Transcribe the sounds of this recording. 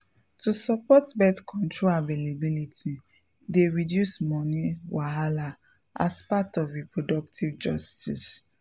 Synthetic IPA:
tusɔpɔtbɛtkʰɔ̃ntʰɹoavelebilitʰi | deɹidjusmɔniwaɦala | a̰spatɔvɹipɹodɔk̚tʰivd͡ʒɔstḭs

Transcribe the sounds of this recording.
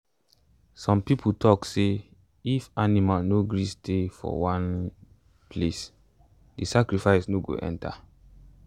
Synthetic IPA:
sɔ̃mpipʰutʰɔkse | ifanimalnoɡɹistʰefɔ̰wãn | pʰles | disakɹifaɪsnoɡo̰ʔɛ̰̃ntʰa̰

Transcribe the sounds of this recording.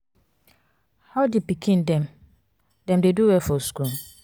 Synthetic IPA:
hadipikʰĩndɛ̃m | dɛ̃mdeduwɛfɔsku

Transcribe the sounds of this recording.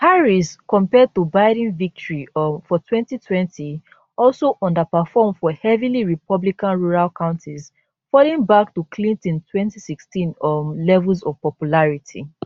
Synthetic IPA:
paɹiskɔ̃mpɛd̚tubaɪɾ̃nvik̚tʰɔɹifɔtʰwɛ̃ntitʰwɛ̃ntʰi | ɔlsoʔɔ̃ndəpəfɔmfɔhɛviliɹipʰɔblikãnɹuɹalkʰãʊ̃ntʰiz | fɔlĩŋbaktukʰlĩntɔ̃ntʰwɛ̃ntisikstĩnlɛvlzɔv̥pɔpjulaɹitʰḭ

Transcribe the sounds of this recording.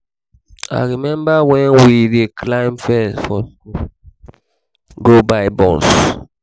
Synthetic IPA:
a̰ɹimɛ̃mbawɛ̃nwidekʰlãɪ̃mfɛsfɔ | ɡobaɪbɔ̃ns

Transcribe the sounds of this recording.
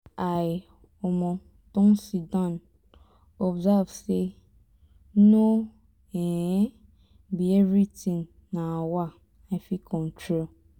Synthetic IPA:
aj | ɔmɔ̃ | tɔ̃ŋsidãn | ɔbzavse | no | ɛ̃ | bievɾitĩŋ | nãwa | afikʰɔ̃ntɾol

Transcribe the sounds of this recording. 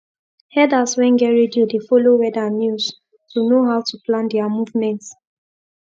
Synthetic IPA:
hɛdaswɛ̃nɡɛɹidiudefolowɛdanjus | tunoɦawtuplãndɛamuvmɛ̃nt

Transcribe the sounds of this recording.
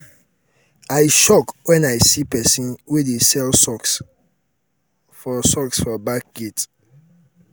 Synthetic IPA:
aɪʃɔkwɛ̃najsipɛsĩnwedesɛlsɔks | fɔsɔksfɔbak̚ɡ̥et

